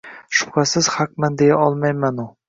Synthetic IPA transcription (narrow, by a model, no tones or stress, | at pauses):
ʃʊ̥pχasɪz̥haq̚mand̪ejaʔɒlˠmajmanʊ